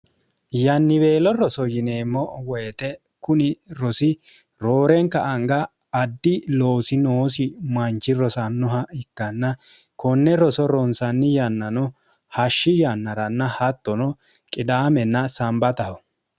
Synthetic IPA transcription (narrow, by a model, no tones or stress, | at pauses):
jɐnːɪbeːlɔɾɔsɔjɪne̞ːmːɔwɔjt̪ɛ | kʊnɪɾɔsɪ | ɾoːɾɛŋkɐʔɐŋɡɐːd̪ːɪlo̞ːsɪnoːsɪmɐnt͡ʃːɪɾɔsɐnːɔɦɐɪkːɐnːɐ | kɔnːɛɾɔsɔɾɔnsɐnːɪjɐnːɐnɔ | hɐʃːɪjɐnːɐɾɐnːɐhɐt̪ːɔnɔ | kʼɪd̪aːmɛnːɐsɐmbɐt̪ɐhɔ